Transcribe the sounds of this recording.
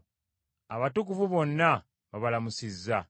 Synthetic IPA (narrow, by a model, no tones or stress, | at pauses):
aβatukuvuβo̞nːa | βaβalamusizːa